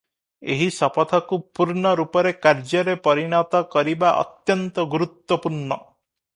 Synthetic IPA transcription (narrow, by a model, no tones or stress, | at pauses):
eɦisɔpɔt̪ʰɔkupuɾɳɔɾupɔɾekaɾd͡ʒɔɾepɔɾinɔt̪ɔkɔɾibaʔɔ̰t̪jɔnt̪ɔɡuɾut̪wɔpuɾɳɔ